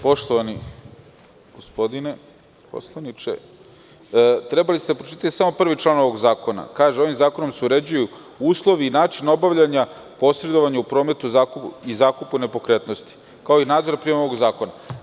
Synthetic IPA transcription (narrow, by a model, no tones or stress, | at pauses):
po̞ʃt̪oʋani | ɡ̥ospo̞d̪ine | po̞̰slˠanit͡ʃḛ | t̪ɾe̞balised̪apɾot͡ʃit̪aj̪isamo̞pr̩ʋit͡ʃlˠaːno̞ʋo̞ɡzaːko̞na̰kaːʒeo̞ʋimzaːko̞no̞mseuɾe̞d͡ʑuju | uːslˠo̞ʋiːnaːt͡ʃino̞baʋʎaɲa | po̞sɾe̞d̪o̞ʋaɲaupɾo̞ːme̞t̪uzakuizaːkupune̞po̞kɾe̞t̪no̞st̪i̥ | kaoinaːd̪zo̞ɾapɾiemaoʋoɡzaːko̞na